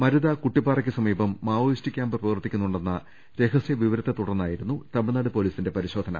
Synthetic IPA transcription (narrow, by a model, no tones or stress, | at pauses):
mɐɾuðɐkuʈːipːaːrɐkʲːɨsɐmiːbɐmːaːʋoistikʲːaːmbɨprɐʋɐrt̪ːikʲːunːuɳɖenːɐ | ɾe̞kɐsjɐʋiʋɐɾɐt̪ːet̪uɽɐnːaːjiɾunːut̪ɐmiɭnaːɽɨpo̞ːliːsinde̞pɐɾiɕo̞ːd̪ʱɐnɐ̰